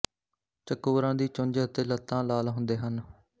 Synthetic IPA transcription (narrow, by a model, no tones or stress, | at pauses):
t͡ʃəkoːɾãːd̪iːt͡ʃʊ̃ɲd͡ʒət̪eːlət̪ːãːlaːlɦʊ̃nd̪eːɦən